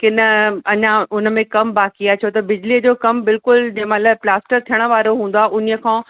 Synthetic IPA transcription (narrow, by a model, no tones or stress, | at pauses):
kɪnə̆ɐɲãʊn̆mẽkɐmbaːkijat͡ɕʰot̪ɐbɪd͡ʑliəd͡ʑoːkɐmbɪlkʊld͡ʑɐ̃ɦmalɐplaːsʈəɾt̪ʰijəɽ̃̆ʋaːɾoɦũːnd̪aːʔʊniə̆kʰãː